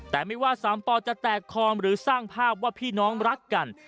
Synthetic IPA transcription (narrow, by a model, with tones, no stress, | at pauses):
t̪ɛː˨˩ma˥˩jwaː˥˩saː˩˦mpɔː˧t͡ɕa˨˩t̪ɛː˨˩kʰːɔː˧mɾɯː˩˦saː˥˩ŋpʰaː˥˩p̚waː˥˩pʰiː˥˩nɔː˦˥ŋɾa˦˥kːa˧n